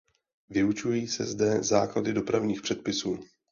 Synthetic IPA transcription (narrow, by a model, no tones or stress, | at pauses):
vɪut͡ʃujiːsɛzdɛzaːkladɪdo̞pɾavɲiːxpr̝̥ɛt̪̚pɪsuː